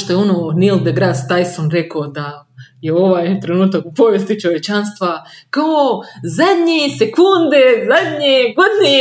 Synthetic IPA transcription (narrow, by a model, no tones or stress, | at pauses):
ʃt̪ojeononild̪eɡɾad̪t̪ajsonɾekood̪ajeo̞ʋaːjt̪ɾe̞nuːt̪akupoʋjest̪it͡ʃo̞ʋjet͡ʃanst̪ʋa | kaozad̪ɲesekund̪ezad̪ʲɲeɡod̪ɲe